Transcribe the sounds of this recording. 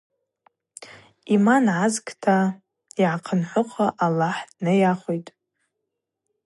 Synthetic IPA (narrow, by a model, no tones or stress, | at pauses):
imanʕazkʰʼtʰa | iʕaqʰənħʷʊqʰʼaʔalaħnɨjaχʷojtʼ